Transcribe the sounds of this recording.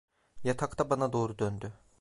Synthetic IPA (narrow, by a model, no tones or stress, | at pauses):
jat̪ʰakt̪ʰabanad̪o̞ːɾud̪ønd̪y